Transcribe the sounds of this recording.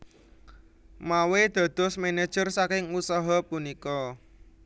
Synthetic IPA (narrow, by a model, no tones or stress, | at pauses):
mawed̪̥ä̤d̪̥ɔ̤smene̥ʒ̥ərsakɪŋusaɦɔpunikɔ